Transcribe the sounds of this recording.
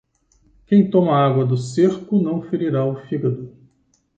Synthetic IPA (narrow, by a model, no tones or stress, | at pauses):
kẽj̃t̪õmɐaɡwɐd̪ʊseɾkʊnɐ̃w̃feɾiɾaʊfiɡɐd̪ʊ